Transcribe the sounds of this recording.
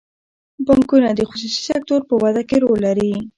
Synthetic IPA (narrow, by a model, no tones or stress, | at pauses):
baŋkunad̪əxʊs̬usi̥sak̚t̪oɾpəwad̪akeɾolːaɾi